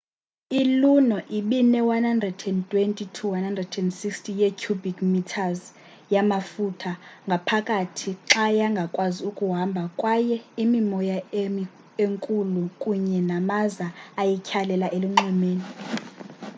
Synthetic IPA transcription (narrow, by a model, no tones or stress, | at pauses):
ilunɔʔiɓinɛwanhandrɛdɛntʼwentʼitʰuwanhandrɛdɛndsikstʰʼijekʰubikʼmitʰaz | jamafutʰaŋɡʱapʰakʼatʰiǁajaŋɡʱakʼwaziukʼuɦambʱakʼwajɛimimɔja | eŋkʼulukʼuɲɛnamazaːjɛkʰalɛlaʔeliŋ͡ǁimeːni